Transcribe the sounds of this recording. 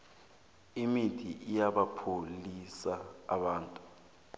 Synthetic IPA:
imitʰiʔijaɓapʰolisa̰ːɓaːntʼu̥

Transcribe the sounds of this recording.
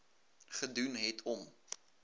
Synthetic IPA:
χədunɦɛjtʰɔm

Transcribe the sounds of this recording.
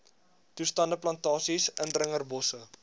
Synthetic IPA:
tustɐndəplɐntɑːsisəndrəŋərbɔsə

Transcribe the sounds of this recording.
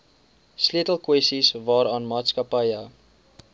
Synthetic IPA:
sliətəlˠkwɛstisvɑːɾɑːnmɑːtskəpəjə

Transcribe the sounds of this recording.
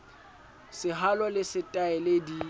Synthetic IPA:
sɪɦalɔlɪsɪtʼaɛledi

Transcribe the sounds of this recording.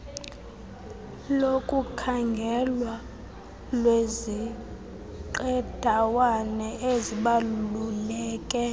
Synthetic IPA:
lokʼukʰaŋɡʱɛlwa | lwezi | ǃɛd̥ʱawanɛʔeziɓalulɛːkʼɛ

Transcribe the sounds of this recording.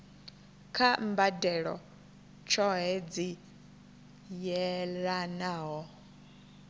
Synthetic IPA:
kʰambadɛɺɔ̰ | t͡ʃʰɔɦɛd͡zi | jɛɺanaːɦɔ

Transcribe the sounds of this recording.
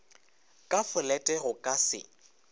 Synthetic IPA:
kʼafʊlɛtʼɛɣʊkʼasɪ̰

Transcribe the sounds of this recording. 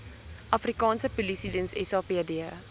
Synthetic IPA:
ʔɐfrikɑːnsəpulisidənsɛ̰sɑːpiədiə

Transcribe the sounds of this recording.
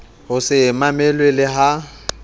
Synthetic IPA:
ɦʊsɪmamɛlwelɪɦa

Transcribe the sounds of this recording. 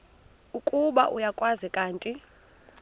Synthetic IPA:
ukʼuɓa̰ʔujakʼwazɛkʼaːntʼi

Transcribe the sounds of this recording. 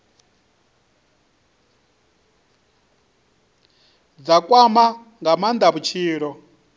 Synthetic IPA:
d͡zakʼwama | ŋɡamand̪aβut͡ʃʰiːɺɔ

